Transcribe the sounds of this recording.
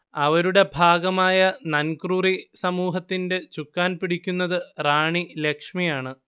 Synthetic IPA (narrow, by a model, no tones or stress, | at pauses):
ɐʋɐɾuɽe̞bʱaːɡɐmaːjɐnɐnkrurisɐmuːɦɐt̪ːinde̞t͡ɕukːaːnpiɽikʲːunːɐðɨraːɳilekʂmijaːɳɨ